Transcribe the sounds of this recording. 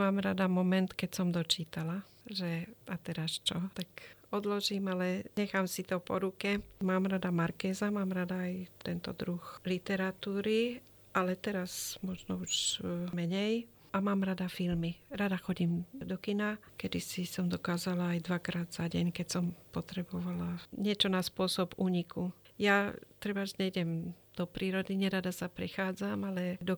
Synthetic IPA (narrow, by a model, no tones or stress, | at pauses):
maːmɾad̪amɔmɛnt̪kɛcsɔmd̪ɔt͡ʃiːt̪ala | ʒɛat̪ɛɾast͡ʃɔt̪akɔd̪lɔʒiːmalɛɲɛxaːmsit̪ɔpɔ̰ɾukɛmaːmɾad̪amaɾkɛːzamaːmɾad̪aːjt̪ɛnt̪ɔ̰d̪ɾuxlit̪ɛɾat̪uːɾi | ʔalɛt̪ɛɾasmɔʒnɔuʒmɛɲɛj | ʔamaːmɾad̪afilmiɾad̪axɔɟimd̪ɔkinakɛd̪isisɔmd̪ɔkaːzalaːjd̪ʋakɾaːd̪z̥aɟɛɲkɛcsɔmpɔt̪ɾɛbɔʋalaɲɪɛt͡ʃɔnaspʊɔsɔbuːɲikʰujat̪ɾɛbaʒɲɛjɟɛmd̪̥ɔpɾiːɾɔd̪iɲɛɾad̪asapɾɛxaːd͡zamalɛd̪ɔ